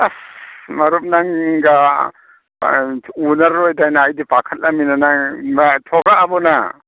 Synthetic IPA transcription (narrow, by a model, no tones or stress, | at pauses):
asmɐɾup̚naŋɡa | unaɾːɔjdajnaːjdipakʰat̚laminanamatʰɔɡaːbɔna